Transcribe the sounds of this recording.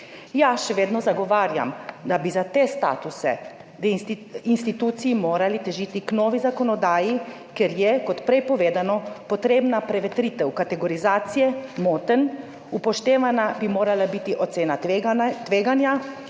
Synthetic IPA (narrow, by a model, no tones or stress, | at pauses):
jaʃɛʋeːd̪nɔzaɡɔʋaːɾja̰md̪abizat̪est̪a̰ːt̪usɛ̰ | d̪ɛinst̪it̪uːt̪sijimoːɾalit̪ɛʒiːt̪iknɔːʋizakɔnɔd̪aːji | keɾjɛkɔt̪pɾɛjpɔʋeːd̪anɔpɔt̪ɾeːbnapɾɛʋɛt̪ɾiːt̪ɛwkat̪ɛɡɔɾizaːt̪sijɛmoːt̪ən | upɔʃt̪eːʋanabimoːɾalabit̪iʔɔt̪seːnat̪ʋeːɡanja